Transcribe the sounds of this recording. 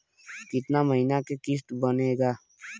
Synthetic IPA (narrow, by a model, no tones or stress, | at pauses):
kɪt̪naməɦinakekɪst̪bəneːɡaː